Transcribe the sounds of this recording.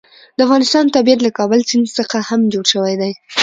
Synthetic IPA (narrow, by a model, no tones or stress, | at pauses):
d̪əafɣɑnɪst̪ɑnt̪abijat̪lakɑbəlt͡sinzsəxahamd͡ʒoɽʃəwajd̪aj